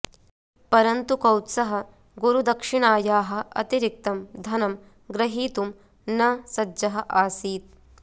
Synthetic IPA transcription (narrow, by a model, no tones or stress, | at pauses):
pɐɾɐnt̪ukɐwt̪sɐɦɐ̆ | ɡuɾud̪ɐkʂiɳaːjaːɦɐ̆ɐ̰t̪iɾik̚t̪ɐmd̪ʱɐnɐm | ɡɾɐɦiːt̪um | nɐsɐd͡ʒd͡ʒɐɦɐ̆ʔaːsiːt̪̚